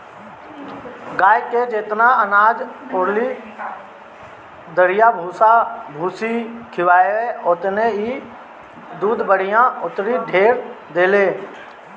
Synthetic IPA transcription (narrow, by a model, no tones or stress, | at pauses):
ɡaːjked͡ʒeːt̪naənaːd͡ʒpʊɾli | d̪əɽɪjabʱuːsabʱuːsikʰɪʋaːjoeʊt̪nei | d̪uːd̪bəɽ̤ɪjãʊt̪ɾiɖʱeːɾ | d̪eːleː